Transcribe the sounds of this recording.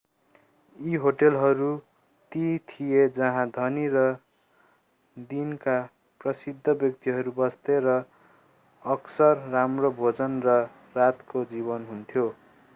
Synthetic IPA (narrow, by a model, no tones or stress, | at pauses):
iɦoʈelɦʌɾu | t̪it̪ʰijed͡zʌɦãd̪ʱʌniɾʌ | d̪inka | prʌsid̪ʱːʌbjʌk̚t̪iɦʌɾubʌst̪eɾʌ | ʌksʌrːamrobʱod͡zʌnrʌ | rat̪kod͡ziβʌnɦunt̪ʰjo